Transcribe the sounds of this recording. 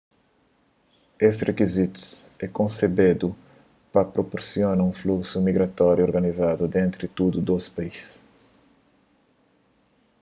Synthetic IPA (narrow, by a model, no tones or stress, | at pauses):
esrekizit̪u̥sɛkõnsebed̪u | pɐpɾopoɾsionɐũfluksumiɡɾat̪ɔɾjuoɾɡanizad̪ʊd̪ẽnt̪ɾt̪ud̪ud̪ospais